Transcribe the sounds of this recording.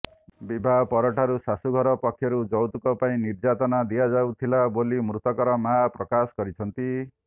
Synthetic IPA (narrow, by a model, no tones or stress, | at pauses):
bibʱapɔɾɔʈʰaɾusasuɡʱɔɾɔpɔkʰːjɔɾud͡ʒɔwt̪ukɔpaĩniɾd͡ʒat̪ɔnad̪ijad͡ʒawt̪ʰilabolimɾut̪ɔkɔɾɔmapɾɔkasɔ̥kɔɾit͡ʃʰɔnt̪i